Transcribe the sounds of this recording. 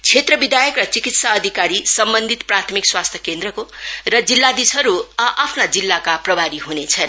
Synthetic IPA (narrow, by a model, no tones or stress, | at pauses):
t͡sʰet̪rʌbid̪ʱajʌkrʌt͡sikit̪saʌd̪ʱikaɾisʌmbʌnd̪ʱit̪prat̪ʰʌmikswast̪ʰjʌkend̪ɾʌkorʌd͡zilːad̪isʌɾuʔapʰnad͡zilːakaprʌbʱaɾiɦunet͡sʰʌn